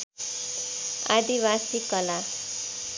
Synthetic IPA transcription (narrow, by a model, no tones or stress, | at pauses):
a̰d̪iβasikʌla